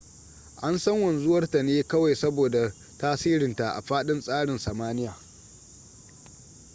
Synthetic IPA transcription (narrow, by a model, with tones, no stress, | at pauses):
ʔa˦nsɐ˦ŋwɐ˨nzʊ˦wɐ˦rta˨neː˦kɐ˦wa˨jsɐ˦boː˨da˨ | taː˦siː˦ɾɪ˨nta˨ʔa̰˨ɸaː˦ɗɪ˦nsʼaː˦ɽɪ˨nsɐ˨maː˦nɪ˦jaː˨